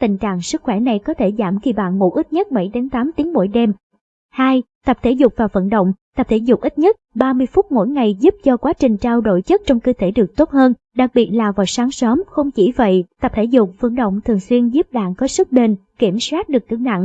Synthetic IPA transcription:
t̪ï˨˩ŋ̟t͡ɕa̰ː˧˨ŋsɨ˦˥k̚xwɛ˧˩na˨˩jkɔ˨˦t̪ʰe˧˩za̰ː˧˩mxi˧˩ɓa̰ː˧˨nmṵ˧˥ʔi˦˥t̚ɲə˦˥t̚ɓə̰˧˩jɗe˨˦nt̪aː˨˦mt̪i˨˦əŋmo̰˧˩˨jɗɛ˧m | haː˧jt̪ə˨˩p̚t̪ʰe˧˩zʊ˨˩k͡p̚vaː˨˩wvə̰˧˨nɗə̰˧˨wŋ͡mt̪ə˨˩p̚t̪ʰe˧˩zʊ˨˩k͡p̚ʔi˦˥t̚ɲə˦˥t̚ɓaː˧mɨ˧əjfʊ˦˥t̚mo̰˧˥˨jŋa˨˩jzu˦˥p̚t͡ɕɔ˧kwaː˨˦t͡ɕï˨˩ŋ̟t͡ɕaː˧wɗo̰˧˨jt͡ɕə˦˥t̚t͡ɕɔ˧wŋ͡mkə˧t̪e˧˩ɗɨ˨˩ək̚t̪o˦˥t̚həː˧n | ɗa˨˩k̚ɓi˨˩ət̚laː˨˩vaː˨˩wsaː˨˦ŋsəː˨˦mxə˧wŋ͡mt͡ɕi˧˩və̰˧˨jt̪ə˨˩p̚t̪ʰe˧˩zʊ˨˩k͡p̚və̰˧˩nɗo̰˧˨wŋ͡mt̪ʰɨ˨˩əŋswi˧ənzu˦˥p̚ɗa̰ː˧˨nkɔ˨˦sɨ˦˥k̚ɗe˧nki˧˩əmswaː˦˥t̚ɗɨ˨˩ək̚k̪ɨ˧˩na̰˧˨ŋ

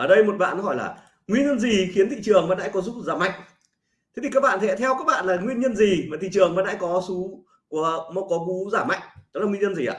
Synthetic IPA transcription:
ʔəː˧˩ɗə˧jmo˨˩t̚ɓa̰ː˧˨nhɔ˧˩jlaː˨˩ | ŋwi˧ənɲə˧nzi˨˩xi˨˦ənt̪ʰḭ˧˨t͡ɕɨ˨˩əŋmaː˨˩ɗa̰˧˥jkɔ˨˦zu˦˥p̚zaː˧˩ma̰˧˨jŋ | tt̪ʰe˨˦t̪i˨˩kaː˦˥k̚ɓa̰ː˧˨nt̪ʰɛ̰˧˥t̪ʰɛ˧wkaː˦˥k̚ɓa̰ː˧˨nlaː˨˩ŋwi˧ənɲə˧nzi˨˩maː˨˩t̪ʰḭ˧˨t͡ɕɨ˨˩əŋmaː˨˩ɗa̰ː˧˥kɔ˨˦su˨˦ | ku˧˩əmɔ˨˦kɔ˨˦ku˨˦zaː˧˩ma̰˧˨jŋ̟ɗɔ˨˦laː˨˩ŋi˧ɲə˧nzi˨˩ʔa̰ː˧˩

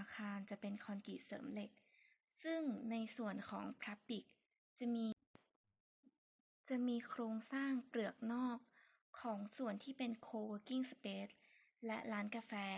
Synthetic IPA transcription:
a˧kʰaː˧nt͡ɕa˨˩pe˧nkʰɔː˧nkiː˨˩sɤ̰ː˩˦mle˨˩k̚ | sɯ˥˩ŋna˧jsu˨˩ənkʰɔ̰ː˩˦ŋpʰɾa˦˥b̚i˨˩k̚ | t͡ɕa˨˩miː˧ | t͡ɕa˨˩miː˧kʰɾoː˧ŋsaː˥˩ŋpɾɯ˨˩ək̚nɔː˥˩k̚ʰː | ɔː˩˦ŋsu˨˩ənt̪ʰiː˥˩pe˧nkʰoː˧wəː˧˥ki˥˩ŋspeː˦˥t̪̚ | lɛ˦˥ʔɾaː˦˥nka˧fɛː˧

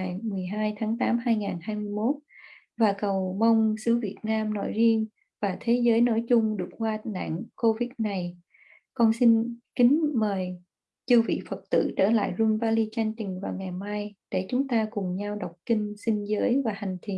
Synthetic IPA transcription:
a˨˩jmɨ˨˩əjɦaː˧jt̪ʰaː˨˦ŋt̪aː˨˦mhaː˧jŋaː˨˩nhaː˧jmɨ˧əjmo˦˥t̚ | vaː˨˩kə˨˩wmə˧wŋ͡msɨ˧˦vi˨˩ət̚naː˧mno̰˧˥jzi˧ən | vaː˨˩t̪ʰe˨˦zəː˨˦jno̰˧˥˦jt͡ɕʊ˧ŋ͡mɗɨ˨˩ək̚kwaː˧na̰ː˧˨ŋko˧vi˨˦˥t̚na˨˩j | kɔ˧nsi˧nkï˨˦ŋ̟məː˨˩j | t͡ɕɨ˧wvḭ˧˨fə˨˩t̚t̪ɨ̰˧˨t͡ɕəː˧˩la̰ː˧˨jzu˧ŋvaː˧li˧t͡ɕa˧jŋ̟t͡ɕ̪ï˨˩ŋ̟vaː˨˩wŋa˨˩jmaː˧jɗe˧˩t͡ɕʊ˨˦ŋ͡mt̪aː˧kʊ˨˩ŋ͡mɲa˧wɗa˨˩wk͡p̚kï˧ŋ̟sï˧ŋ̟zəː˨˦jvaː˨˩ha˨˩jŋ̟t̪ʰḭ˨˩ən

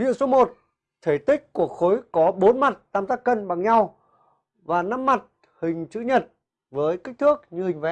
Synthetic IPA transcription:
vḭ˧˨ənso˨˦mo˨˩t̚ | t̪ʰe˧˩t̪ï˦˥k̟̚ku˧˨˩ək̚xo˨˦jkɔ˨˦ɓo˨˦nma˨˩t̚t̪aː˧mt̪aː˦˥k̚kːə˧nɓa˨˩ŋɲa˧w | vaː˨˩na˧mːa˨˩t̚ | hï˨˩ŋ̟t͡ɕɨ̰˧˥ɲə˨˩t̚ | vəː˨˦jki˦˥k̟̚t̪ʰɨ˦˥ək̚ɲɨ˧hï˨˩ŋ̟vɛ̰˧˨˥

